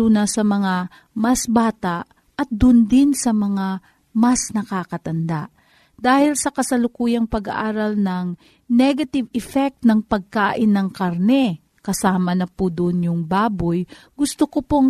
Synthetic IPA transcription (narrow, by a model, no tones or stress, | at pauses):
unɐsɐmɐŋa | mɐsbaːt̪aʔ | ʔɐt̪̚d̪ʊnd̪ɪnsɐmɐŋa | mɐsnɐkaːkɐt̪ɐnd̪aʔ | d̪aːhɪlsɐkɐsɐlʊkuːjɐŋpɐɡa̰ʔaːɾɐlnɐŋ | nɛɡɐt̪ɪvɛfɛk̚t̪nɐŋpɐɡ̚kaːʔɪnːɐŋkɐɾnɛ | kɐsaːmɐnɐpud̪ʊʔnjʊŋbaːbojɡʊst̪okopoŋ